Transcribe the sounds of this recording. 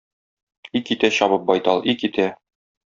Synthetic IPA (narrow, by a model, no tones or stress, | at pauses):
ikit̪æɕɒβɤp̚bɒjt̪ɑlˠʔikit̪æ